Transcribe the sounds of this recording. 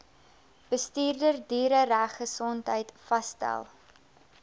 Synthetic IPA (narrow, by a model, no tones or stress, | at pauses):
b̥əstiːrdərdiːɾəræχːəsɔntɦəjtfɐstæ̰lˠ